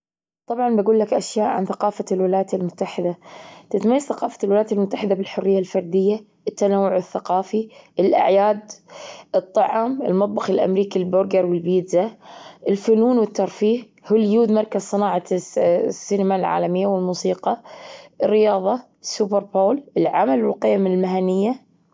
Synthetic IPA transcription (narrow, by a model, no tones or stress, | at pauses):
t̪ˤɑbʕɑnbaɡuːlːakʔaʃjaːʔʕa̰nθaqɑːfalwɪlajat̪ɪlmʊt̪ːaħɪd̪at̪ɪt̪majːaz̥θɑqɑːfalwɪlajat̪ɪlmʊt̪ːaħɪd̪abɪlħʊrːɪjːalfɑɾˤd̪ɪjːa | ʔɪt̪ːanawːʊʕɪθːaqɑːfiʔɪlʔa̰ʕjaːd̪ɨt̪ˤːɑʕɑmɪ̰lmɑt̪ˤbɑxɪlʔa̰mɾiːkilbʊɾɡɑɾwɪlbiːd̪zaʔɪlfʊnuːnwɪt̪ːɑɾˤfiːh | hɪljuːd̪mɑɾˤkazsˤɨnɑːʕɑ | sːinmalʕa̰ːlamɪjːawɪlmuːsiːqɑʔɪrːɪjɑːðˤɑ | subɪɾˤboːlʔɪlʕamalwɪlqɪjamlmaɦanːɪjːa